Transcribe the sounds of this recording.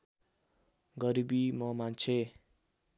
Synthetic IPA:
ɡʌɾibimʌmant͡sʰe

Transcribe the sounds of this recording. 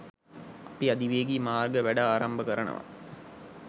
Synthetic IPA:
ɐpiɐd̪iʋeːɡiːmaːrɡəʋæɖaaːɾɐmbəkɐɾɐnə̰ʋɐ̰

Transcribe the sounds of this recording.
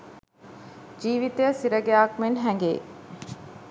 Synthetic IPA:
d͡ʒiːʋit̪ejəsiɾəɡeaːkmenɦɛŋɡḛː

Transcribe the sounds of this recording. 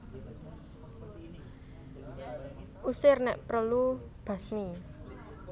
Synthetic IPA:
ʔusɪrnɛʔpɾəlub̥a̤smi

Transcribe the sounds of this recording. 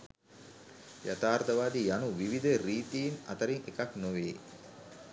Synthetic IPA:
jat̪aːɾt̪əʋaːd̪ijanuʋiʋid̪əɾiːt̪ijinɐ̰t̪əɾiŋekaknuʋeː

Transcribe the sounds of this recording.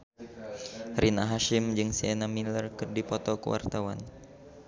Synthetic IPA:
ɾʔinaɦaʃimd͡ʒɨŋsiɛnamilərkɨrdipɔt̪ɔkəwa̰rt̪awa̰n

